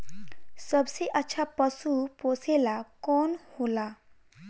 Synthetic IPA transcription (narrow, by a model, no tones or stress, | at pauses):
səbseʔətːɕʰapəsuposelakɔnhola